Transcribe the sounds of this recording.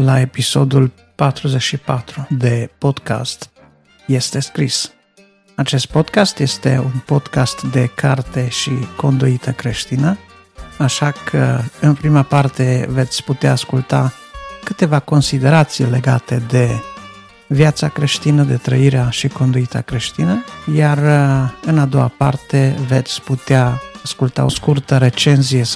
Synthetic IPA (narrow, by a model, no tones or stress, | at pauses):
lae̞piso̞d̪ul | pat̪ɾuzet͡ʃʃipat̪ɾud̪e̞po̞d̪ka̰st̪ | je̞st̪e̞skɾis | at͡ʃe̞st̪̚po̞d̪kast̪je̞st̪e̞unpo̞d̪kast̪d̪e̞kʰart̪e̞ʃiko̞nd̪uit̪ʰəkɾeʃt̪inə | aʃakʰəɨnpɾimapart̪e̞ve̞t̪sʲput̪eaːskult̪a | kɨt̪e̞vako̞nsid̪e̞ɾat̪sijle̞ɡa̰t̪e̞d̪e̞ | vjat̪sakɾe̞ʃt̪inəd̪e̞t̪ɾəiɾeaʃiko̞nd̪uit̪ə̰kɾe̞ʃt̪inəjarɨnad̪o̞a̰pa̰rt̪e̞ve̞t̪sʲput̪eaːskult̪a̰o̞skurt̪əɾe̞t͡ʃe̞nzije